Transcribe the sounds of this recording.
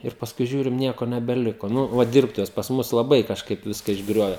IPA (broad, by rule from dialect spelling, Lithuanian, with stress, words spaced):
ɪr pɐsˈkʊɪ ˈʒʲuːrʲɪm ˈnʲiɛkoː nʲɛbʲɛˈlʲɪkoː ˈnʊ ˈʋɐ ˈdʲɪrptʊʋʲɛs pɐs ˈmʊs lˠɐˈbɐɪ kɐʃˈkɐɪp ˈʋʲɪskɐ ɪʒˈɡrʲoːʋʲɛ